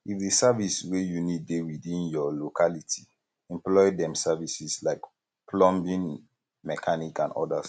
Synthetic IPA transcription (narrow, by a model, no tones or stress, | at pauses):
ifðisaviswejunid̚dewidĩnjɔlokʰalitʰi | ɛ̃mplɔɪdɛ̃msavisislaɪk | pʰlɔ̃mbĩn | mɛkʰanikã̰ndɔ̰das